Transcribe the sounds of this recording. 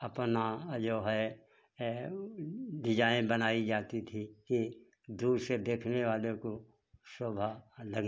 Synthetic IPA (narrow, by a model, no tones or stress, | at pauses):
ɐpnad͡ʒoːɦɛ | ʋɪd͡ʒaːẽbənaːid͡ʒaːt̪it̪ʰiki | d̪uːɾsed̪eːkʰneʋaːleko | soːbʱalɐɡ